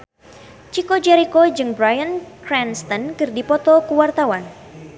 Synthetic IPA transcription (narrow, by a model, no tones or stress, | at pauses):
t͡ʃikod͡ʒɛɾikod͡ʒɨŋbɾajənkɾɛnst̪ənkɨrdipɔt̪ɔkuwart̪awan